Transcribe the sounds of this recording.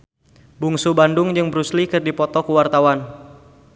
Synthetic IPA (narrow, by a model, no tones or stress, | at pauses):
buŋsubandʊŋd͡ʒɨŋbəɾuslikɨrdipɔt̪ɔkuwart̪awan